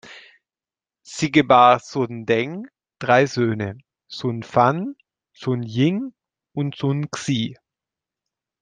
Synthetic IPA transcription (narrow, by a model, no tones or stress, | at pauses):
z̥iɡəbaːzʊndɛŋ | d̥ʁaɪzøːnə | z̥ʊnfan | z̥ʊnjɪŋ | ʊntz̥ʊnksiː